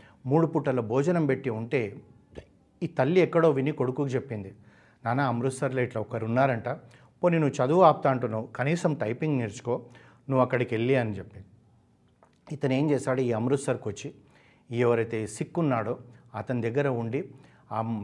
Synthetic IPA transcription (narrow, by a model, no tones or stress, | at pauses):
muːɽupuʈːɐlɐbʱɔːd͡ʒɐnɐmbe̞ʈːiuɳʈe̞ː | iːt̪ɐlːiɛkːɐɽo̞ːʋiniko̞ɽukuːkɐt͡ʃe̞pːind̪i | naːnaɐmɾusɐɾlɐːʈlɐɔkːɐɾunːaːɾɐɳʈaː | poninːut͡ʃɐd̪uːʋaːp̚t̪aːɳʈunːɐkɐniːsɐmʈɐjpiŋɡniːɾt͡ʃu̥ko̞ː | nuʋːɐkːɐɽikelːiɐnit͡ʃe̞pːind̪i | it̪ɐne̞ːɲt͡ʃeːsaːɽuiːɐmɾusɐɾkot͡ʃːi | iɛʋɐɾɐjt̪e̞ːsikːunːaːɽoːɐt̪ɐnid̪ɛɡːɐɾɐuɳɖi | aː